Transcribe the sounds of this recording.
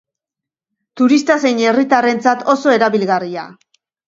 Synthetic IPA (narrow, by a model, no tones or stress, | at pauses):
t̪uɾist̪ase̞jɲe̞rit̪are̞nt͡sat̪o̞so̞e̞ɾaβilɣaria̰